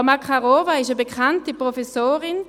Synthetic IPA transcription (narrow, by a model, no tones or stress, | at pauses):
makχaʁoːvaɪʃəbekʰχantipʁofesoːʁɪn